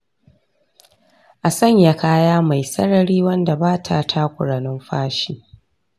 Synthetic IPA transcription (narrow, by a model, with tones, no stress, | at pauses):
ʔa˨sɐ˦ɲja˨kʰaː˦jaː˦ma˨jsɐ̰˦ɽɐ˨ɾiː˦wɐ˦nda˨baː˦tʰa˦˨tʰa˦kʷʊ˨ɽa˨nɪ˦mɸaː˦ʃiː˦